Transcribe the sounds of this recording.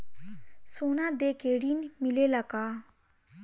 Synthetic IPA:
sonad̪ekeːɽiːnmilelakaː

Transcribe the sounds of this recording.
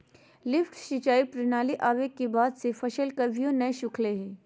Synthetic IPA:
lɪfʈʃɪt͡ʃaːipɾɪnaːliʔaːʋekːebaːd̪sefɐʃəlkɐɾʋijõnɐʃʊkʰleɦɛ̃ː

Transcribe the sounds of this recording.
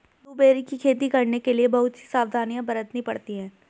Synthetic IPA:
d̪uːbeːɾikikʰeːt̪ikɐɾnekeliebɐɦʊt̪si̥saːʋd̪ʱaːnijãbɐɾət̪nɦĩpɐ̰ɽt̪iɦɛ̃ː

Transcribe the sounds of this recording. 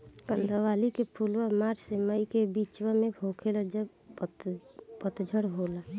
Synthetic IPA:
kənd̪ʱəʋalikepʰulʋamaɾseməikebit͡ʃwəmebʱokʰeləd͡ʒə | pət̪d͡ʒʱəɽɦola

